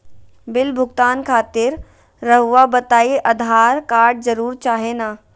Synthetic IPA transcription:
bɪlbʱʊɡt̪aːnkʰaːt̪ɪɾː | ɐɦʊʋabɐt̪aːiʔɐd̪ʱaːɾkaːɾɖ̚zɐɾuːɾt͡ʃaːɦenaː

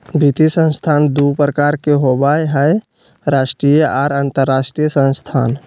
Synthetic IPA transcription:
bit̪isə̃nst̪ʰaːnd̪upɾəkaːɾkeɦobaeɦɛ | ɾaːʃʈɾijəaːɾant̪əɾːaːʃʈɾijəsə̃nst̪ʰaːn

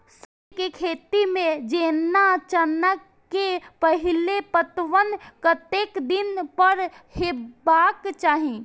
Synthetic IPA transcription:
səbkekʰeːt̪imẽd͡ʒeːnːat͡ʃənəkːepəɦɪlepət̪ʋənkət̪eːkd̪ɪnpəɾhɪbaːkt͡ʃaːɦĩ

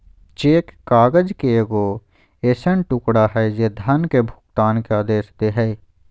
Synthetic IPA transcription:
t͡ʃeːkːaːɡəd͡ʒkeɡo | eːsənʈʊkɽaɦɛjed̪ʱənkebʱʊ̥kt̪aːnkeaːd̪eːsd̪eɦɛː

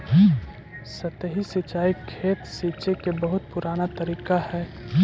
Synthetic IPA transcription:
sət̪ɦisit͡ʃaːikʰeːt̪siːt͡ʃekebəɦʊt̪pʊɾaːnat̪əɾiːkahɛː

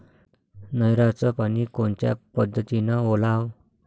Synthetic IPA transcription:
nəjɾat͡səpanikoɳt͡ɕja̰pəd̪ʱːət̪inaolaw

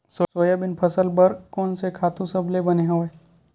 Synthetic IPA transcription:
sosoːjabɪnpʰɐsəlbəɾkɔːnsekʰaːt̪ũsɐbʱlebɐneɦoːe

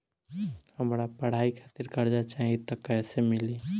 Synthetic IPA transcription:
həmɾapəɽ̤aikʰaːt̪ɪɾkɐɾd͡ʒat͡ʃaɦit̪əkːɛːsemɪli

